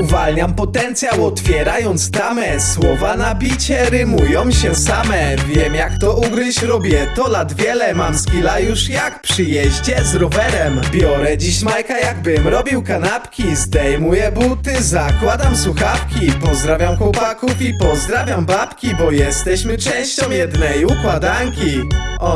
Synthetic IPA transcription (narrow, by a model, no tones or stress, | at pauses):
uvalɲampɔt̪ɛnt̪sʲjawɔt̪fʲjɛɾajɔnt̪st̪amɛswɔvanapʲit͡ɕɛɾɘmujɔ̃w̃ɕɛsamɛvʲjɛmjakt̪ɔʔuɡɾɪt͡ɕɾɔbʲjɛt̪ɔlad̪vʲjɛlɛmamskʲilajuʂjakpʂɘjɛʑd͡ʑɛzɾɔvɛɾɛmbʲjɔɾɛd͡ʑiɕmajkajaɡ̚bɘmɾɔbʲiwkanapkʲizd̪ɛjmujɛbut̪ɘzakwad̪amsuxafkʲipɔzd̪ɾavʲjamkwɔpakufipɔzd̪ɾavʲjambapkʲibɔjɛst̪ɛɕmɘt͡ʂɛ̃w̃ɕt͡ɕɔ̃w̃jɛd̪nɛjukwad̪aŋkʲi | ɔ